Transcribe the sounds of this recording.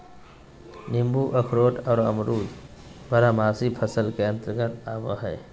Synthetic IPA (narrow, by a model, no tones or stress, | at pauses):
nɪmbuʔɐkʰɾoːʈʰɔːɾə̰mɾuːd͡ʒ | bɐɾamaːsipʰəsəlkeə̃nt̪ɾəɡənaːʋa̰ɦɛː